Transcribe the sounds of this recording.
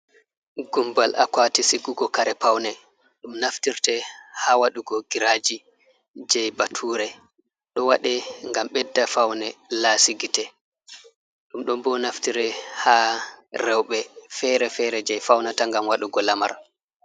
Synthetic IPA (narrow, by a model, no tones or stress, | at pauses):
ɡumbalʔa̰katisiɡuɡɔkaɾɛpawnɛ | ɗumnaftiɾtɛhaːwaɗuɡɔɡiɾad͡ʒi | d͡ʒɛjbatʰuːɾɛ | ɗɔwaɗɛŋɡamɓɛdːafawnɛlasiɡitɛ | ɗumɗumbɔnaftiɾɛhaɾɛwɓɛfɛɾɛfɛɾɛd͡ʒɛjfawnataŋɡamwaɗuɡɔlama̰ɾ